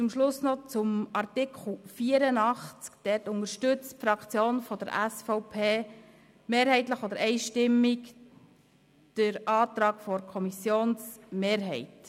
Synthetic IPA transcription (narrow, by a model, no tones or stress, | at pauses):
t͡sʊmʃlʊsnɔt͡sʊmɑrtɪkʰχl̩fiːəɾənɑχt͡skd̥ɛtʊŋəɾʃtʏt͡stfɾɑkʰt͡sjoːnfɔd̪əɾæsfɔʊpʰeː | meːɾhɛɪt̪ləχɔd̪əɾɛɪʃtɪmːik | d̥əɾɑːt̪ɾɑːɡ̥fɔɾkʰɔmisjoːnsmeːɾɦɛɪt